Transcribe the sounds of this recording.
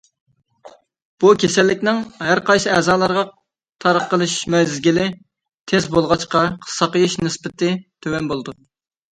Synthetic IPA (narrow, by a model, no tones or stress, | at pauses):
b̥ukʲʰesɛlːɪkʲnɪŋhæɾqɑjsɨɛːzɑːlˠɑɾʁɑ | t̪ʰɑɾəqːəlˠɨʃmɛzɡʲilɪ | t̪ʰezbolˠʁɑt͡ʃqɑqʰə̥sːɑqəjiʃnɨspɪt̪ɪt̪ʰøwɛnbolˠd̪u